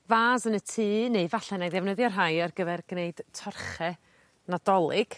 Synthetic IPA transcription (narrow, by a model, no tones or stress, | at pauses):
vaːsənətʰiːneɨvaɬɛnajðɛvnəðjɔrɦajarɡəvɛrɡ̥neɨd̥tʰɔrχɛ | nadɔlˠɪɡ̥